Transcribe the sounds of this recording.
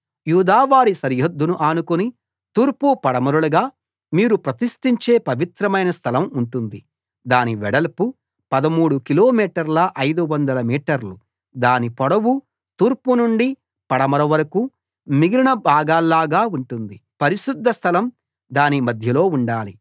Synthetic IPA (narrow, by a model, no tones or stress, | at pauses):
juːd̪aːʋaːɽisɐɾjod̪ːunuʔaːnukoni | t̪uːɾpupɐɽɐmɐɾuɭɐɡaː | miːɾupɾɐt̪iʂʈiɲt͡ʃe̞ːpɐʋit̪ɾɐmɐjnɐst̪ʰɐlɐmuɳʈund̪i | d̪aːniʋɛɽɐlpu | pɐd̪ɐmuːɽukiloːmiːʈɐɾlɐʔɐjd̪uʋɐnd̪ɐlɐmiːʈɐɾlu | d̪aːnipɔɽɐwu | t̪uːɾpunuɳɖi | pɐɽɐmɐɾɐʋɐɾɐku | miɡɾiɳɐbʱaːɡaːlːaːɡaːuɳʈund̪ipɐɾiʃud̪ʱːɐst̪ʰɐlɐm | d̪aːnimɐd̪ʱjɐlo̞ːuɳɖaːli